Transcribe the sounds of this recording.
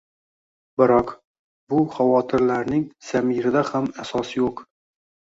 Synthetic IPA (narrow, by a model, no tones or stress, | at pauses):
bɪɾɑq | buχavɒːt̪ʰɪɾlæɾnɪŋsæmiɾɪd̪ahæmæsɑsjoq